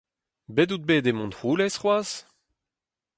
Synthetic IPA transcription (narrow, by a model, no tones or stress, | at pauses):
bedud̪̚beːdemɔ̃ntʁuːlɛsχwaːz̥